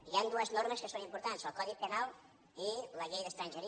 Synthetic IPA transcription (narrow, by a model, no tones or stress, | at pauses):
iand̪uəznoɾməskəsonimpuɾt̪ansəlˠkɔðik̚pənalˠ | iləʎejðəst̪ɾanʲʒəɾi